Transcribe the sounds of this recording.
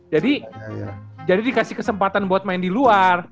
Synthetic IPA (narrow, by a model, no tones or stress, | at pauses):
d͡ʒadḭ | d͡ʒadidikasihkəsəmpat̪anboat̪̚maɪndiluar